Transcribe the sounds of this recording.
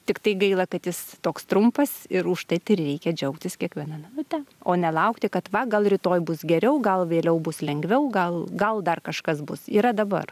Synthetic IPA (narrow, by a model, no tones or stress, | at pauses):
t̪ʲɪkt̪ɐɪɡɐɪlˠɐkɐt̪jɪst̪oːkst̪ɾʊmpɐsɪɾʊʃt̪ɐɪt̪ɪɪrʲɛɪkʲɛd͡ʒʲɛʊkt̪ʲɪskʲiɛkʋʲiɛnɐnɐnʊt̪ʲɛoːnʲɛlˠɐʊkt̪ʲɪkɐt̪ʋɐɡɐlˠɾʲɪt̪oːjbʊsɡʲɛɾʲɛʊɡɐlˠʋʲeːlʲɛʊbʊslʲɛŋɡʋʲɛʊɡɐlˠɡɐlˠd̪ɐrkɐʃkɐsbʊsiːɾɐd̪ɐbɐ̰r